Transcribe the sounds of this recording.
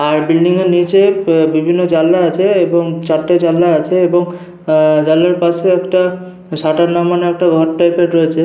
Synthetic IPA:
aɾbilɖiŋeɾnit͡ɕebibʱinːod͡ʑalːaat͡ɕʰeeboŋt͡ɕaʈːed͡ʑalːaat͡ɕʰeeboŋ | d͡ʑalːaɾpaʃeɛkʈa | ʃaʈaɾnamaneɛk̚ʈaɡʱɔɾʈːajpeʈɾoet͡ɕʰe

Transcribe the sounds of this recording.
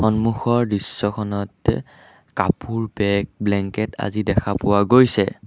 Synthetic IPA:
xɔnmuxɔɹdisːɔkʰɔnɔt | kapʰuɹbɛk̚blɛŋkɛta̰zidɛkʰapʊwaɡojsɛ

